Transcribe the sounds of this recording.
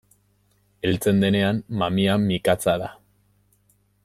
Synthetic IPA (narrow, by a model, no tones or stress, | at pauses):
e̞lt͡se̞nd̪e̞ne̞amːamiamikat͡saða